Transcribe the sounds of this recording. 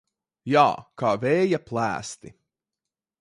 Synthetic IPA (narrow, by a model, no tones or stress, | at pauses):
ja̰ːkaːvɛːjaplˠæ̰ːst̪i